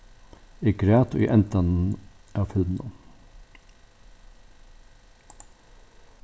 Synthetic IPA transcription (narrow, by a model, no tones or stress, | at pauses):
iːkʰɾeːt̪o̰ːḭːʔɛnt̪ɑnn̩æːfʉld̪nɑ